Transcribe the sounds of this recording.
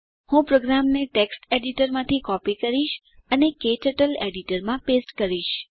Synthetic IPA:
hũpɾoɡɾamneʈeksʈeɖiʈəɾmãt̪ʰikɔpikəɾiʃ | əneket͡ʃəʈəleɽiʈəɾmãpesʈkəɾiʃ

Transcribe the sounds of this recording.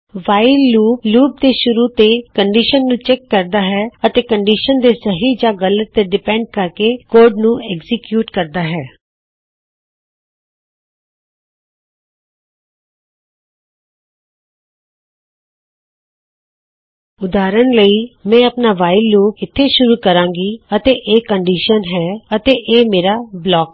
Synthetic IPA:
ʋaːɪlːuːpluːb̚d̪eːʃʊɾuːt̪eːkəɳɖiːʃənːũːt͡ʃɛːkːəɾd̪aːɦɛːət̪eːkəɳɖiːʃənd̪eːsəɦiːd͡ʒãːɡələt̪ːeɖɪpɛ̃ːɳɖ̚kəɾkeːkoːɾɖnũːɛɡzɪkjuːʈkəɾd̪aːɦɛː | ʊd̪aːɾənləiːmɛ̃ːəpnaːʋaːɪlːoːkɪt̪ʰːeːʃʊɾuːkəɾãːŋɡiːət̪eːʔeːkəɳɖiːʃənɦɛːət̪eːʔeːmeːɾaːblɔːk

